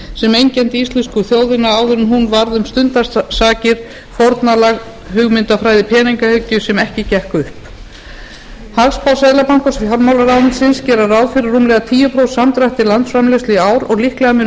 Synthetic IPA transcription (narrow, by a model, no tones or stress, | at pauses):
sɛmejɲcɛnt̪ist̪lɛskʏθjoːwðɪnaaːwðʏɾʏmɦunvaɾðʏmst̪ʏnt̪asaːcɪɾ̥ | fɔɾt̪nalaɣ | hʏɣmɪnt̪afɾaːjðɪpʰɛːniŋkahʏcːʏsɛmɛhcɪcɛhkʏhp | havspawsɛðlapaŋkɔsaɾmawlaɾawnsɪnscɛːɾarawðfɪɾɪrːumlɛɣat̪ʰiːjʏpʰɾowsamt̪ɾaht̪ɪlant̪sfɾamlɛst̪lɪaːwɾɔɣlihklɛɣamɪ